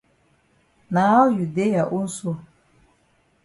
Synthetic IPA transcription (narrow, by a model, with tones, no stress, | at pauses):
naː˨˦ju˨de˦ja˨ʔu˦n̩˦so˦